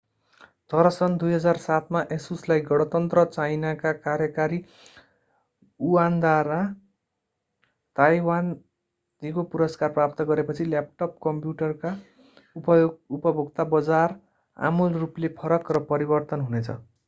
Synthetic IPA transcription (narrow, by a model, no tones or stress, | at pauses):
t̪ʌɾʌsʌnd̪ujɦʌd͡zarsat̪maʔesuslajɡʌɽ̃ʌt̪ʌnt̪rʌt͡sajnakakaɾjʌkaɾi | uand̪aɾa | t̪ajwan | d̪ikopuɾʌskarprapt̪ʌɡʌɾepʌt͡sʰilap̚ʈʌp̚kʌmpjuʈʌrka | upʌjupʌbʱuɡt̪abʌd͡zar | a̰mulruplepʰʌɾʌkrʌpʌɾibʌrt̪ʌnɦunet͡sʰʌ̰